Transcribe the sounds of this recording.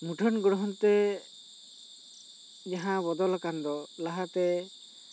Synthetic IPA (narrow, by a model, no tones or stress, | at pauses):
muʈʰɔnɡɔɽɔɦɔnt̪ɛ | d͡ʒaɦãbɔd̪ɔlakand̪ɔlaɦat̪ɛ